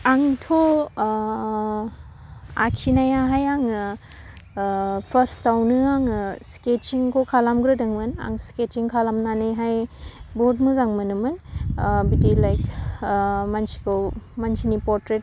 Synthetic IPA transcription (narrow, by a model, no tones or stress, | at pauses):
aŋtʰo | a̰kʰinajaɦajaŋɯ | pʰastawnɯaŋɯsket͡ʃiŋkʰokʰalamɡɾɯdaŋmɯna̰ŋsket͡ʃiŋkʰalamnaneɦajbotmɯzaŋmɯnɯmɯnbidilajk | mansi̥kʰɯwmansʰinipɔɾtɾet̚